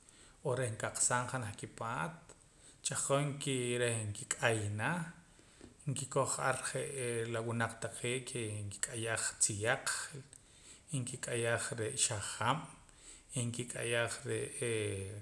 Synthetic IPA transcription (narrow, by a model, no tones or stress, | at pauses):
ohɾehŋkaq͡χsaŋχanaχkipaːt̪̚ | t͡ʃʼaqoŋkiɾehŋkikʼajna | ŋkikoχʔaɾχeʔlawunaq͡χt̪aqʰeːʔkʰeŋki̥kʼajaχt͡sijaq͡χl | iŋkikʼajaχɾeʔʃaχam | iŋkikʼajaχɾeʔe